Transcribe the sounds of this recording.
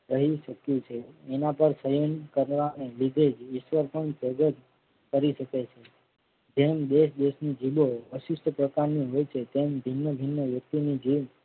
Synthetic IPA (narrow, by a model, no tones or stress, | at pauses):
ɾəɦiʃəkjũt͡ʃʰeːnapəɾsəjənkəɾʋanelid̪ʱed͡ʒɪʃʋəɾpəɳd͡ʒəɡət̪ | kəɾiʃəket͡ʃʰe | d͡ʒemd̪eʃd̪eʃnid͡ʒiboəʃɪʃʈʰəpɾəkaɾniɦojt͡ʃʰet̪embʱinːəbʱinːəʋjək̚t̪inid͡ʒiʋm